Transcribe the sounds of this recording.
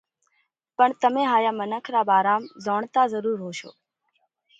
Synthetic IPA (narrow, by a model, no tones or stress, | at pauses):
pəɳt̪əmẽːɦaːjaːmənəkʰɾaːbaːɾaːmzoːɳt̪aːzəɾuːɾɦoːʃo̰ː